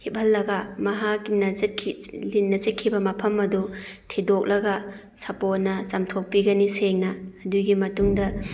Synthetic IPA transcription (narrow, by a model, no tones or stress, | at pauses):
hip̚hɐlːɐɡɐmɐɦakːinɐzkʰilinnːɐzikʰːibɐmɐpʰɐmɐdutʰidok̚lɐɡɐ | sɐpot̚nɐsamtʰok̚piɡɐniseŋnɐːduɡimɐtuŋdɐ